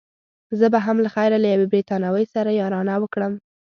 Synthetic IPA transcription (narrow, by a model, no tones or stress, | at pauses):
zəbaɦamlaxajɾalajawebɾit̪ɑnawəjsaɾajɑɾɑnawəkɽəm